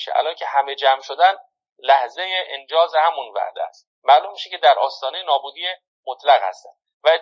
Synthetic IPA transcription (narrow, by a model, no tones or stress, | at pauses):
ʃeʔæ̰lɒːncʰe̞hæme̞d͡ʒæmʃod̪æn | læhzejeʔend͡ʒɒːzehæmunvæ̰ʔd̪eæ̰st̪ | mæːlumːiːʃecʰed̪æɾʔɒːst̪ɒːnejenɒːbuːd̪iːe | mot̪ʰlæɣhæ̰st̪æ̰nd̪ | væe